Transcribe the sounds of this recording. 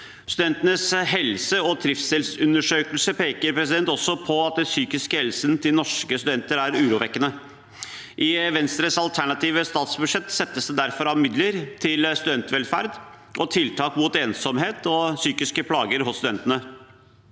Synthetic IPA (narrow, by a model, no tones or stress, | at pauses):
st̪ʉd̪ɛnt̪ənəsɦɛlsəɔt̪ʰɾɪft̪sɛlsʉnəʂøːkəlsəpeːkəɾpʰɾɛsɪd̪ɛnt̪ɔsːɔpʰɔɑt̪̚d̪ɛsyːkɪskəhɛlsənt̪ʰɪlnɔʂkəst̪ʉd̪ɛnt̪əɾæɾʉːɾuːʋɛkːənə | ʔɪʋɛnst̪ɾəsɑlt̪ʰæɳɑt̪iːʋəst̪ɑːt̪sbʉʂɛt̪sɛt̪ːəsd̪ɛd̪æɾfɔɾɑmɪd̪ləɾt̪ʰɪlst̪ʉd̪ɛnt̪ʰʋɛlfæ̰ɾd̪ | ʔɔt̪ʰɪlt̪ʰɑːkmut̪eːnsɔmheːt̪ɔsyːkɪskəpʰlɑːɡəɾɦʊsːt̪ʉd̪ɛnt̪ənə